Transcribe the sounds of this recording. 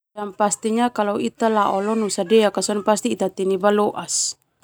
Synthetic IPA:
ampast̪iɲakalɔwit̪alaʔɔlɔnusadɛakasɔnpast̪iːt̪at̪inibalɔʔas

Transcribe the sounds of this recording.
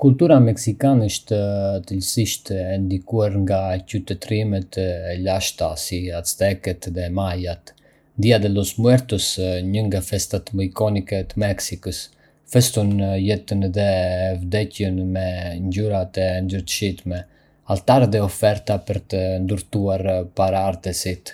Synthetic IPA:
kult̪uɾamɛksikanɛəʃt̪ət̪əlsiʃt̪ɛnd̪ikuaɾŋɡacyt̪ɛt̪ɾimɛt̪ɛlaʃt̪asiast̪ɛkɛt̪ðɛmajat̪ | nd̪iad̪ɛlɔsmuɛɾt̪əsɲəŋɡafɛst̪at̪mɔkɔnikɛt̪əmɛksikəs | fɛst̪unjɛt̪ənðɛvd̪ɛcənmɛɲɟuɾat̪ɛnd̪əɾt̪ʃit̪mɛ | alt̪aɾðɛɔfɛɾt̪apəɾt̪ənd̪uɾt̪uaɾpaɾaaɾt̪əsit̪

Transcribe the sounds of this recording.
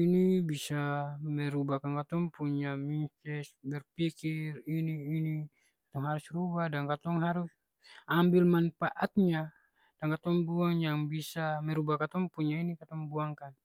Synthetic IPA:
inibisamɛɾubakaŋkat̪ɔŋpuɲamint̪ɛsbɛrpikiriniːni | kḁt̪ɔŋɦaɾusrubadaŋkat̪ɔŋɦaɾus | ambilmanfaʔat̪̚ɲa | d̥aŋkat̪ɔŋbuaŋjaŋbisamɛɾubakat̪ɔŋpuɲainikat̪ɔŋbuaŋkan

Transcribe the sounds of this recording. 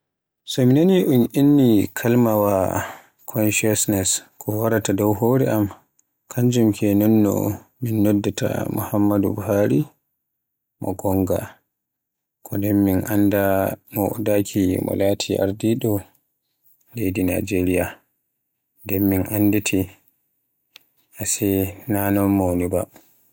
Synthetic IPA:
sɔminaniʔunʔinːikʰalmawa | kʰɔnʃasnɛskʰɔwaɾatadɔwɦoːɾɛʔam | kʰaɲd͡ʒumkʰɛnɔnːɔ̰minːɔdːatʰa̰mṵhamːadubuɦaɾi | mʔɔ̰ɡɔŋɡa | kʰɔdɛnminʔandamɔ̰dakʰimɔ̰laːtʰiʔa̰ɾdiɗɔ | lejdina̰d͡ʒeɾija | ndɛnminʔanditʰi | ʔasɛnanɔnmoniba̰

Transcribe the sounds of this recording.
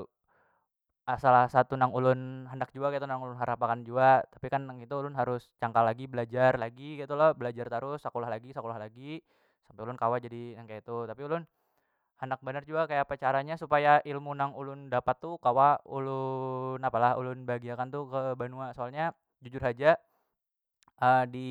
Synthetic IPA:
ʔasalahsat̪unaŋulʊnɦandak̚d͡ʒuaʔkait̪unaŋulʊnɦaɾapakand͡ʒuat̪apikanaŋit̪uːlʊnɦaɾʊst͡ʃaŋkalaɡibəlad͡ʒarlaɡikit̪ulɔhbəlad͡ʒart̪aɾʊsːakolahlaɡisakolahlaɡi | sampaɪulʊnkawad͡ʒadinaŋkajait̪ut̪apiulʊn | handak̚bənard͡ʒuɡakajapat͡ʃaɾaɲasupajailmunaŋulʊndapat̪ːukawaulʊnapalahṵlʊnbaɡiakant̪ukəbanuasoalɲa | d͡ʒud͡ʒʊrɦad͡ʒa | ʔədi

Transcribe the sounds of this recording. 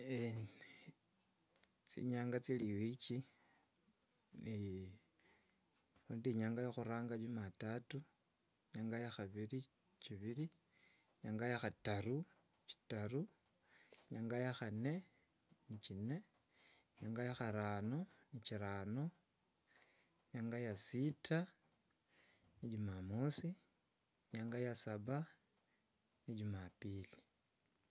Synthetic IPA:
e | t͡sḭɲaːŋɡat͡siliwit͡ʃi | ni | uːndiɲaːŋɡajoxuɾaːŋɡad͡ʒumatatu | ɲaːŋɡajaxaβiri | t͡ʃiβiɾi | ɲaːŋɡajaxataru | t͡ʃi̥taru | jaŋɡajaxane̞ | nit͡ʃine | jaŋɡajaxaɾanoniciɾaːno | jaŋɡajasitʰa | niɟumamosi | jaŋɡajasaβa | niɟumapili

